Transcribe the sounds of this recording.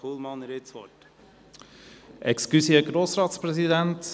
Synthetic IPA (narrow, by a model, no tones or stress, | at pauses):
ulˠmɑnəɾetsʋɔ̰t | ʔɛkskysiəɡ̥ɾoːsɾɑːt̪spɾɛsid̪ænt̪